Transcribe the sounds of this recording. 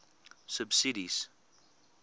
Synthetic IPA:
səbsiɾiz̥

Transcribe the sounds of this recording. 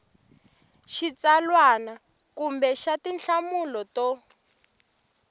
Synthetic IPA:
ʃit͡salwana | kumbɛʃatinɬamulɔtɔ

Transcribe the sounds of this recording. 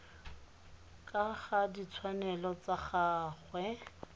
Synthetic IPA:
kʼaχadit͡sʰwanɛlɔt͡saχaːχwɛ

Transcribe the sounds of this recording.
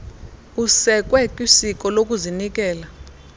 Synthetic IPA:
usɛk̬ʼwɛkʼisik̬ʼɔlok̬ʼuzinikʼɛːla

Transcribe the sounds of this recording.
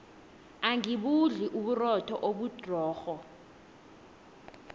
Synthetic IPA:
aŋiɓuɮiʔuɓurɔtʰɔʔoɓud̥ʱrɔːxɔ

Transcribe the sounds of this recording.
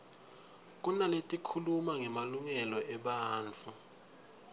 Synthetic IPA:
k̬ʼunaletʼikʰulumaŋɛmaluŋɛlɔʔɛɓaːnt͡fʰu

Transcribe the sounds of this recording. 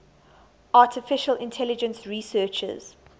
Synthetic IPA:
ʔaˑtʰɪfɪʃəlɪ̃ntʰɛlɪd͡ʒə̃nsɹiːsɜːˑt͡ʃə̰z̥

